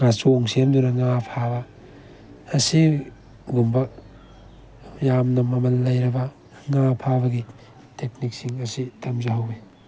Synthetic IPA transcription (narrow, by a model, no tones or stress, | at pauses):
ɡasoŋsemd̪unɐŋapʰabɐː | si | ɡumbɐ | jamnɐmɐmɐlːɐjɾɐbɐ | ŋapʰabɐɡi | tek̚nik̚siŋɐsitʰɐmzɐɦɐwi